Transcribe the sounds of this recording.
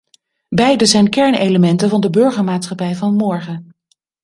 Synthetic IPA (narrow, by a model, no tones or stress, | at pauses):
bɛjdəzɛjnkɛɹneləmɛntəvɑndəbɵɹχəɹmaːtsχɑpɛjvɑnmɔɹχə